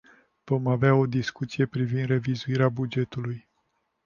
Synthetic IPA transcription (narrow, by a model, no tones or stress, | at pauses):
v̥o̞maveao̞d̪iskut̪sije̞pɾivind̪re̞vizuiɾeabud͡ʒe̞t̪uluj